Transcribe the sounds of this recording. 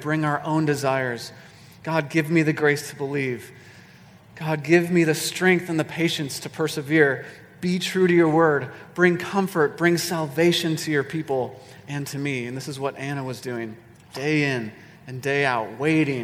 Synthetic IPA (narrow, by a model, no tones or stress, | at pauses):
b̥ɹɪ̃ŋaʊə˞ʔõʊ̃ndɨzaɪə˞z̥ | ɡ̥ɑd̚ɡɪvmiðɨɡɹeɪstʰəbəliv̥ | ɡ̥ɑd̚ɡɪvmiðɨstɹ̥ɛ̃ŋk̚θɨ̃nðɨpʰeɪʃɨ̃nstʰɨpʰɜ˞sɨvɪɹ | b̥itʰɹ̥ʉɾɨjə˞wɜ˞d̚b̥ɹɪ̃ŋkʰʌ̃ɱfə˞t̚b̥ɹɪ̃ŋsælˠveɪʃɨ̃ntʰɨjə˞pʰipl̩ˠ | ɨ̃ntʰɨmiɨ̃nðɪsɨzwʌɾʔæɾ̃əwʌzdʉɪ̃ŋ | d̥eɪɪ̃n | ɨ̃ndeɪaʊt̚weɪɾɪ̃ŋ